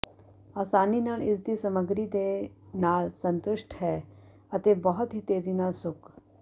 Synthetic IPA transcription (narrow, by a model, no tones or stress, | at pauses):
aːsaːninaːlɪs̬d̪isəməɡɾid̪enaːlsə̃nt̪ʊʃʈʰɦɛː | ɐt̪ebəɦʊt̪ɦit̪eːzinaːlsʊk